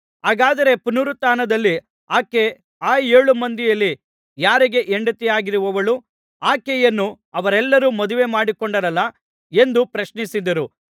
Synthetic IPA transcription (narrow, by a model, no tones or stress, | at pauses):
ɦaːɡaːd̪ɐɾe̞punuɾut̪aːnɐd̪ɐlːi | aːke | aːjeːɭumɐnd̪ijɐlːi | jaːɾiɡe̞ʔeɳɖɐt̪ɛjaːɡiɾuʋɐʋɐɭu | aːkejɐnːu | ɐʋɐɾɛlːɐɾumɐd̪uʋe̞maːɽikɔɳɖɐɾɐlːɐ | e̞nd̪upɾɐʃnisid̪ɐɾu